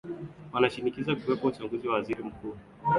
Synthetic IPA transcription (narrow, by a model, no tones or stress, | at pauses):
wanaʃinikizakuwɛpɔut͡ʃaŋɡuziwawaziɾim̩kuː